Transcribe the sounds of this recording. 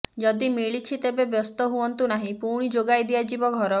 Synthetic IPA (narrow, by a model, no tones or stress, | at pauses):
d͡ʒɔd̪imiɭit͡ʃʰit̪ebebjɔst̪ɔɦuɔnt̪unaɦĩpuɾɽ̃id͡ʒoɡajd̪iad͡ʒibɔɡʱɔɾɔ